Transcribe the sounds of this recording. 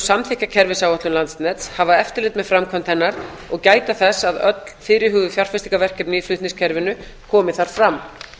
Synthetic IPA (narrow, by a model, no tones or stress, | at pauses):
samθɪhcacʰɛɾvɪsawɔht̪lʏmlant̪snɛːt̪shavaɛft̪ɪɾlɪːt̪mɛðfɾamkʰɔnt̪ʰɛjnːaɾ̥ | ɔɣcaːjt̪aθɛsːaðœt̪l̥fɪːɾɪɦʏːɣvðʏfjar̥fɪsi̥kavɛr̥cɛp̪nɪiflʏt̪nɪ̃ŋscʰɛɾvɪnʏ | kʰɔːmɪθaɾ̥fɾamː